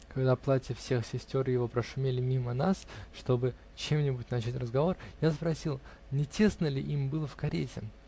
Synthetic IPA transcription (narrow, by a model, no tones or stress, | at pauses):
kɐɡd̪aplˠatʲɪfsʲe̞xsʲɪsʲtʲo̞ɾjɪvo̞pɾəʂʊmʲelʲɪmʲimənasʂt̪o̞bɨ | t͡ɕe̞mnʲɪbʊtʲnɐt͡ɕætʲrəzɡɐvo̞rjaspɾɐsʲilˠ | nʲɪtʲe̞snəlʲɪʔimbɨlˠəfkɐɾʲetʲɪ̰